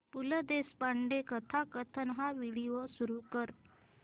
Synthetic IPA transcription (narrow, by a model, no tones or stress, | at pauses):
puləd̪espaɳɖekət̪ʰakət̪ʰənɦaʋiɽiʋəsuɾukəɾ